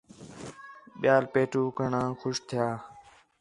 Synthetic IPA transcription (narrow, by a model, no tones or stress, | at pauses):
ɓɪjaːlpeːʈuːkəɳãːxʊʃt̪ʰɪjaː